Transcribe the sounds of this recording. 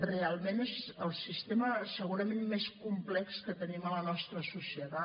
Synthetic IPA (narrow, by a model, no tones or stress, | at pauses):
realˠmenezəlˠsist̪eməsəɣuɾəmemːeskumplɛkskət̪ənimələnɔst̪ɾəsusiət̪a